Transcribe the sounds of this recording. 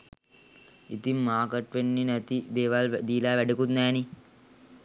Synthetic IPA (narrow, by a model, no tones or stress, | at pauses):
it̪imːaːkɐʈʋenːinɐt̪id̪eːʋaːld̪iːlaːʋɛɖukut̪naːni